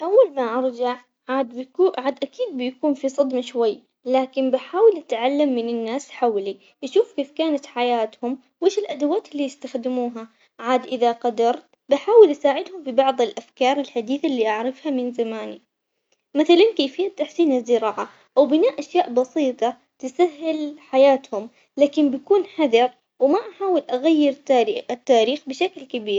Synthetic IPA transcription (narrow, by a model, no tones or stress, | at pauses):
ʔawːalmaʔɑɾˤd͡ʒaʕ | ʕaːd̪buʔʕaːd̪ʔakiːd̪̚bɪjkuːnfisˤɑd̪maʃwajː | laːkɪnbɪħaːwɪlʔat̪ʕalːamːɪnɪnːaːsħawli | ʔaʃuːfkeːfkaːnat̪ħajaːt̪hʊm | weːʃɪlʔad̪awaːt̪ɪlːiːjɪst̪axd̪ɪmuːɦa | ʕaːd̪ʔɪðaqɑd̪ɑɾˤt̪ | baħaːwɪlʔasaːʕɪd̪hʊmfibɑʕðˤɪlʔafkɑːɾˤɪlħad̪iːθalːiːʔaʕɾɪfhamɪnzamaːni | maθalankeːfhɪjːat̪ːaħsiːnazːɪɾɑːʕa | ʔawbɪnaːʔʔaʃjaːʔbɑsˤiːt̪ˤɑ | t̪ɪsaɦːɪlħajaːt̪hʊm | laːkɪmbakuːnħad̪ɑɾˤ | wɪmaʔaħaːwɪlʔaɣajːɪɾɪt̪ːaːɾiːxbɪʃaklkabiːɾ